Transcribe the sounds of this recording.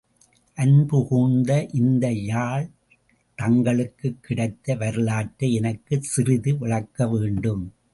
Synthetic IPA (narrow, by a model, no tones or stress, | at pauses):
ʔɐnbʊɣuːnd̪ɐʔɪnd̪ɐjaːɭ | t̪ɐŋɡɐɭɯkːɯkːɪɽɐɪt̪ːɐʋɐɾɯlaːʈːɐɛnɐkːɯsɪɾɪðɯʋɪɭɐkːɐʋeːɳɖɯm